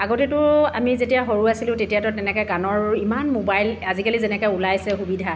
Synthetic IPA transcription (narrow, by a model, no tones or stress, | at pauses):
aɡotitʊamizetijaɦoɹuasilʊ̃tetijatɔtɛnɛkɔjɡanɔɹimanmobajlazikalizɛnɛkɔjulajsɛxubidʱa